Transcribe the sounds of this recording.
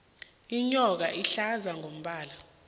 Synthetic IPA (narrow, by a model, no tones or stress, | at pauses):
iɲɔk̬aʔiɬazaŋom̩ɓaːla